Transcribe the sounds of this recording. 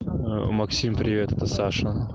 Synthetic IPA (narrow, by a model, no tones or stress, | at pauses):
mɐksʲimpɾʲɪvʲet̪ɛt̪əsaʂə